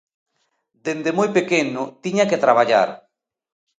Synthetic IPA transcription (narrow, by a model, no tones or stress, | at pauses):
d̪end̪emojpekenʊt̪iɲaket̪ɾaβ̞aʎa̰ɾ